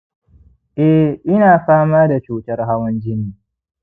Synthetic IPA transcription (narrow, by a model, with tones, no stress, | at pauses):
ʔɛ˦ʔɪ˦naː˨ɸaː˦maː˦da˨t͡ʃuː˨tɐ˦rɦa˦wɐ˦nd͡ʒɪ˦niː˨